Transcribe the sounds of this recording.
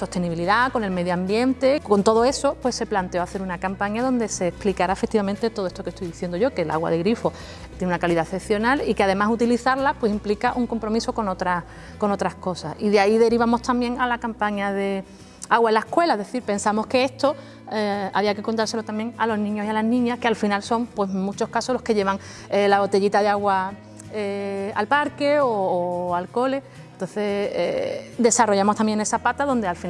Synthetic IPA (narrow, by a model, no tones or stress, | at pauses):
so̞st̪eniβiliðako̞ne̞lme̞ðjoambje̞nt̪e̞ko̞nt̪o̞ð̞oe̞so̞pwe̞sːe̞plant̪e̞o̞aθe̞ɾunakampaɲaðo̞nd̪e̞se̞ːhplikaɾaefek̚t̪iβamẽnt̪et̪oet̪oke̞st̪ojðiθje̞nd̪oʝo̞kelʔa̰ɣwa̰ð̞eɣɾifo̞ | t̪jenunakaliðaθepθjo̞nalikeaðe̞masut̪iliθaɾlapwe̞simplikaʔuŋko̞mpɾo̞miso̞ko̞not̪ɾa | ko̞no̞t̪ɾahko̞sasiðeaiðe̞ɾiβ̞amo̞ht̪ambje̞ŋalakampaɲaðe | aɣwaelːaehkwe̞laeðeθiɾpe̞nsamo̞hke̞est̪o̞ | ea̰βiakekont̪aɾse̞lo̞t̪ambje̞ŋalo̞ɦnĩɲo̞sialaɦnĩɲahkealfinalso̞ŋpwe̞smut͡ʃo̞hkasolo̞hke̞ʎe̞βaŋ | elaβo̞t̪e̞ʎit̪aðeaɣwa | ea̰lpaɾke̞oːalko̞le̞ | ent̪o̞nθe̞ḛd̪e̞saro̞ʝamo̞ht̪ambje̞ŋne̞sapat̪aðo̞nd̪ealfi